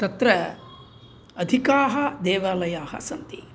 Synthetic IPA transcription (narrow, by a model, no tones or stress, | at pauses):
t̪ɐt̪ɾɐ | ɐd̪ʱikaːɦɐd̪eːʋaːlɐjaːhɐ̰sɐnt̪i